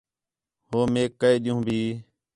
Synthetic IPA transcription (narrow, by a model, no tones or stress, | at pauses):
hoːmeːkːəeːɗ̪ɪjũːbʱiː